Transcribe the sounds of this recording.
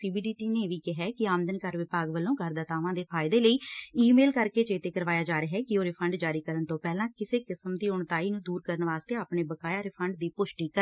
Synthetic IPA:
siːbiːɖiːʈiːneːʋiːkɪɦɛːkɪaːmnd̪ənkəɾʋɪpaːɡʋəlːõːɡʱəɾd̪ət̪aːʋãːd̪eːpʰaːɪd̪eːləiːiːmeːlkəɾkeːt͡ʃeːt̪eːkəɾʋaːjaːd͡ʒaːɾeɦɛːkɪoːɾɪpʰəɳɖd͡ʒaːɾiːkəɾənt̪õːpɛːlãːkɪseːkɪsəmd̪iːʊɳt̪aːiːnũːd̪uːɾkəɾənʋaːst̪eːaːpɳeːbəkaːjaːɾɪpʰəɳɖd̪iːpʊʃʈiːkəɾ

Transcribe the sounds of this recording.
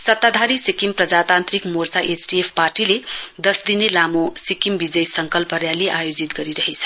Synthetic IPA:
sʌt̪ːad̪ʱaɾisikimprʌd͡zat̪ant̪rikmort͡saʔet͡sʈiepʰparʈiled̪ʌsd̪inelamosikimbid͡zʌjsʌŋkʌlpʌɾjaleʔajod͡zit̪ɡʌɾiɾʌɦet͡sʰʌ̥

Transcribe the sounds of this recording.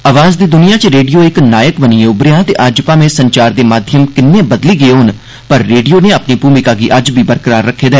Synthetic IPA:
aːʋaːzd̪iːd̪ʊnijãːt͡ʃɾeːɖijoːɪknaːjəkbəniːeʊbɾɪjãːt̪eːʔaːd͡ʒpaːmẽːsəɲt͡ʃaːɾd̪eːmaːd̪ʱjəmkɪnːẽːbəd̪liːɡəeːɦʊn | pəɾːeːɖijoːnẽːapniːpuːmɪkaːɡiːʔəd͡ʒbʱiːbəɾkəɾaːɾːəkʰːeːd̪ɛː

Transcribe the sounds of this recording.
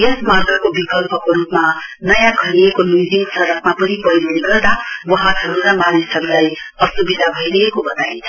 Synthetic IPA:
jʌsmat̪rʌkobikʌlpʌkoɾupmanʌjãkʰʌliekomuzinsʌɾʌk̚mapʌnipʌjɾoniɡʌrd̪awʌɦãtʰʌɾunamanisʌɾlaj | ʌsubid̪ʱabʱʌiɾʌɦekobʌt̪aĩnt͡sʰʌ

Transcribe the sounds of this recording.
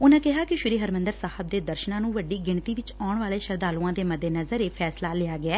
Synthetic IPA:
ʊnãːkɪɦaːkɪʃʊɾiːɦəɾmə̃nd̪əɾsaːhəb̚d̪eːd̪əɾʃnãːnũːʋəɖiːɡɪɳt̪iːʋɪt͡ʃaːʊɳʋaːleːʃəɾd̪aːluːãːd̪eːməd̪ːeːnəzəɾeːpʰɛːslaːlɪaːɡɪaː

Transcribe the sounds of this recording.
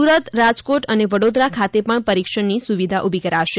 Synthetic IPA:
uɾət̪ɾad͡ʒkoʈəneʋəɽod̪ɾakʰat̪epəɳpəɾikʃəɳnisuʋid̪ʱaʔubʱikəɾaʃe

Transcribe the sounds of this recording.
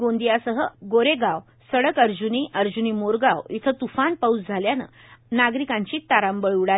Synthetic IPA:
ɡõnd̪ijasəɦəɡoɾeɡaw | səɭəkəɾd͡ʑuniʔəɾd͡ʑunimoɾɡawit̪ʰət̪ufanpəut͡sd͡zʱaljanə̰ | naɡɾikãɲt͡ɕiːt̪aɾambəɭuɽa

